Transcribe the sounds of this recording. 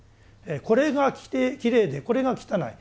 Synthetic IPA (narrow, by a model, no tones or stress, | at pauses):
eko̞ɾe̞ɡakʲi̥t̪ekʲiɾe̞ːd̪e̞ko̞ɾe̞ɡakʲi̥t̪ana̰i